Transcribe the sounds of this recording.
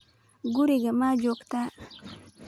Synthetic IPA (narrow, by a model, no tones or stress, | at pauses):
ɡʊɾiɡamaːd͡ʒokt̪a